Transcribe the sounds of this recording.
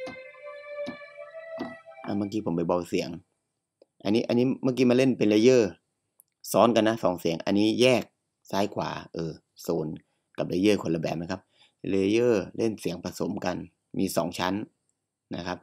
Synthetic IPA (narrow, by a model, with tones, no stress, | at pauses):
ʔa˧˩baː˧ŋkiː˧pʰo˨˩˦pa˨˩jba˧˩wsi˨˦əŋ | ʔa˧nːiː˦˥ʔa˧niː˦˥maː˧˥˩k̬iː˧˩maː˧le˥˨npe˨nleː˧˦jɤː˧˥˩ | sɔː˦˥nka˧nːa˦˥sɔ̰ː˨˦ŋsi˨˩˦əŋʔa̰˧nːiː˦˥˩jɛː˥˩k̚ | saː˦˥˩jkʰwa̰ː˩˦ʔɤː˧˩ | soː˨˦n | ka˨˩p̚la˧˦jɤː˥˩˨kʰo˧nla˧˩bɛː˨˩p̚na˧˥˩kʰa˦˥p̚ | le˧jɤː˧˥˩le˥˩nsi˨˦əŋpa˧so˩˦mka˧n | mʔiː˧sɔ̰ː˩˦ŋt͡ɕʰa˦˥nː | a˦˥kʰa˦˥p̚